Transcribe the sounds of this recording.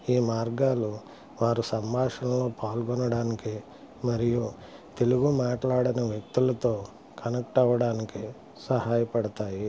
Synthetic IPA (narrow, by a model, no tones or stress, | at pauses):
iːmaːɾɡaːlu | ʋaːɾusɐmbʱaːʂɐmlo̞ːpaːlɡɔnɐɽaːniki | mɐɾiju | t̪e̞luɡumaːʈlaːɽɐnɐʋjɐk̚t̪ulɐt̪o̞ː | kʰɐnɐk̚ʈɐʋɐɽaːniki | sɐhaːjɐpɐɽɐt̪aːji